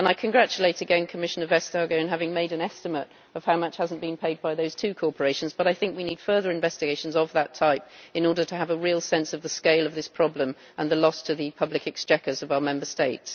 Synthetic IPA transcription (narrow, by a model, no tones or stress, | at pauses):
ə̃naɪkʰɨ̃nɡɹæt͡ʃəleɪɾɨɡɛ̃nkʰəmɪʃɨ̃nə˞vɛstɑɹɡəʊɨ̃nɦævɪ̃ŋmeɪɾɨ̃nɛstɨməɾ | ʌv̥haʊmʌt͡ʃhazn̩b̥ɨ̃npʰeɪd̚baɪðoʊz̥tʰʉkʰɔɹpə˞eɪʃn̩zb̥ʌɾaɪθɪ̃ŋkwinid̥fɜ˞ðə˞ɨ̃ɱvɛstɪɡeɪʃn̩zəvðətʰaɪp̚ɨ̃nɔɹɾəɾʰəːvəɹilˠsɛ̃nsʌvðəskeɪlˠʌvðɪspʰɹ̥ɑblə̃m | ʔə̃nðəlɔstʰɨðɨpʰʌblɨkɨkst͡ʃɛkəzʌvaʊəmɛ̃mbəsteɪts